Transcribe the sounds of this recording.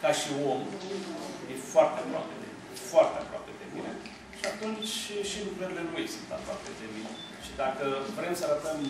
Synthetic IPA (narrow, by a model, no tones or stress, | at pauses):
kaʃio̞m | jefoart̪eapɾoa̰pḛd̪ḛ | foart̪ea̰pɾoa̰pe̞d̪ebḭne | ʃiat̪unt͡ʃʲʃilukɾəɾile̞nujḛsunt̪a̰pɾowa̰ped̪ebine | ʃid̪akəvɾe̞msəaɾət̪əm